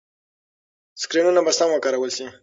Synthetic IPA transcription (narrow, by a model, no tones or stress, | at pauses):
skɾinunabasamakɑɾawəlsi